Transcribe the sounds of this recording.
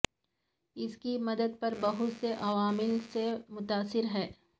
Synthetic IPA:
ɪskimɐd̪əd̪̚pɐɾbɐɦʊt̪seʔɐʋaːmɪlsemʊt̪aːsːɪɾɦɛː

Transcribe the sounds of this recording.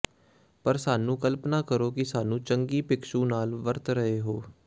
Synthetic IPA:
pəɾsaːnũːkəlpnaːkəɾoːkɪsaːnũːt͡ʃəŋɡiːpɪkʃũːnaːlʋəɾt̪ɾəɦeːɦoː

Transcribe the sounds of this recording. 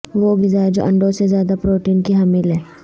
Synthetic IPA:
ʋoɡɪzaːd͡ʒoʔɐ̰̃ɳɖõsezjaːd̪apɾoːʈiːnkiɦɐmilɦɛ̃ː

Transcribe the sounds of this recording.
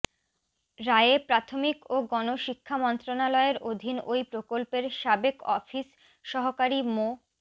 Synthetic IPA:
ɾaeepɾat̪ʰomikoɡɔnoʃikʰːamɔnt̪ɾonalɔeɾʔod̪ʱinojpɾokolpeɾʃabekɔfis | ʃɔɦokaɾimo

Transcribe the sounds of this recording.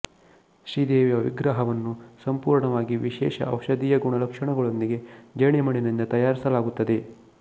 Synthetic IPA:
ʃɾiːd̪eːʋjɐʋḭɡɾaːɦɐʋɐnːusɐmpuːɾɳɐʋaːɡiʋiʃɛːʃɐ̰ʔɐwʃɐd̪ijɐɡuɳɐlɐkʂɐɳɐɡɐɭo̞nd̪iɡe̞d͡ʒɐɳimɐɳinind̪ɐt̪ɐjaːɾisɐlaːɡut̪ːɐd̪e̞

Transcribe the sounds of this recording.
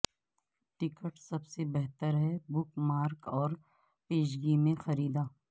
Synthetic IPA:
ʈɪkəʈsɐbsebɛɦt̪əɾɦɛbʊkmaːɾkɔːɾ | peːʃɡimẽxɐɾiːd̪aː

